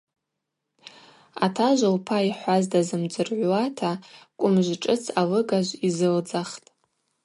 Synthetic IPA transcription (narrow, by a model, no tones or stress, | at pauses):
atʰaʒʷalpʰaiħʷazdazɨmd͡ʒɨrʕʷwatʰakʷʼʊmʒʷʈ͡ʂʼɨt͡sʰalɨɡaʒʷizɨld͡zaχtʼ